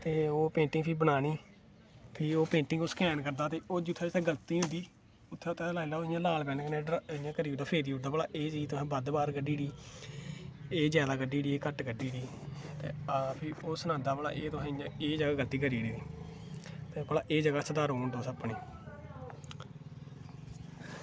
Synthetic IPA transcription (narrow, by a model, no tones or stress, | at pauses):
t̪eːoːpẽːɳʈɪ̃ŋpʰiːbənaːniː | pʰiːoːpẽːɳʈɪ̃ŋɡoːskɛːnkəɾd̪aːt̪eːoːd͡ʒit̪ʰːeːd͡ʒɪt̪ʰːɛ̃ːɡəlt̪iːɦʊ̃nd̪iː | ʊt̪ʰːet̪ʰːelaːɪlaːoːɪjãːlaːlpɛːnkənːɾɪjãːkəɾiːd̪aːpʰeːɾiːɦʊd̪aːbəla̰ːʔeːd͡ʒiːt̪ʊɛ̃ːbəd̪baːɾɡəɖiːɽiː | eːd͡ʒɛːlaːɡəɖiːɖiːeːkəʈɡəɖiːɽiː | t̪ḛːaːpʰioːsənãːd̪aːbəla̰ːʔeːt̪ʊsɛ̃ːɪjãːeːd͡ʒəɡaːɡəlt̪iːkəɾiːɽiːɾiː | t̪eːpəla̰ːʔeːd͡ʒəɡaːsəd̪aːɾoːnd̪oːsəpːɳiː